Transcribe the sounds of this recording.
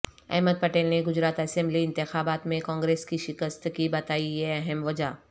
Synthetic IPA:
ɛ̰ɦməd̪̚pɐʈeːlneɡʊd͡ʒɾaːt̪ɛsɛ̃mliɪ̃nt̪ɪxaːbaːt̪mẽkɔ̃ːŋɡɾeːskiʃɪkəst̪kibɐt̪aːijeɐɦɛmʋɐd͡ʒaː

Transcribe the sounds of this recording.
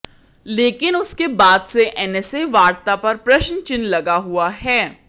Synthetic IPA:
leːkɪnʊskebaːd̪seʔɛnɛseʋaːɾt̪apɐɾpɾɐʃnt͡ʃɪnlɐɡaɦuaɦɛː

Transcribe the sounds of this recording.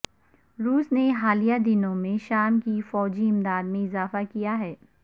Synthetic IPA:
ɾuːsneɦaːlijad̪ɪnõmẽʃaːmkifɔːd͡ʒiɪmd̪aːd̪mẽɪzaːfakijaɦɛː

